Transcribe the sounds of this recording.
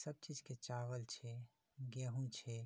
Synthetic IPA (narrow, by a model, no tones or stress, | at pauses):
səb̚t͡ʃiːd͡ʒket͡ʃaːʋəlt͡ʃʰe | ɡɛɦũt͡ʃʰe